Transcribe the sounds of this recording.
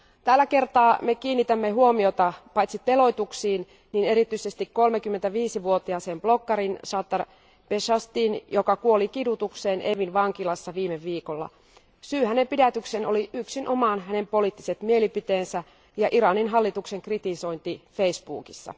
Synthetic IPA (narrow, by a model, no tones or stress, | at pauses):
t̪ælːæke̞rt̪ɑːmekiːnːit̪æmːeɦuomiot̪ɑpɑjt̪sit̪elo̞jt̪uksiːn | nine̞ɾit̪yisest̪ikkːolmekymːent̪æʋiːsiʋuot̪iɑsemb̥lokːɑɾinsɑt̪ːɑr | peʃɑst̪iːnjokɑkuolikidut̪ukseːneʋinʋɑŋkilɑsːɑʋiːmeʋːiːkolːɑ̰ | syːhænempidæt̪yksenoliʔyksinʔomɑnɦæne̞mpo̞liːˑt̪ːiset̪mielipit̪eːnsæ | jɑʔiɾɑninɦɑlːit̪ukseŋkrit̪iso̞jnt̪ifeisbṵːkisːɑ̰